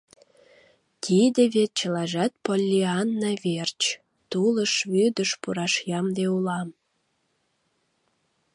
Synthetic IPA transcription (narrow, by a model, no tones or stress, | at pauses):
t̪ʰid̪eβet͡ɕəlɑʒæt̪̚polʲːiɑnːɑβert͡ɕ | t̪uləʃβyd̪əʃpuɾɑʃjɑmd̪eulɑm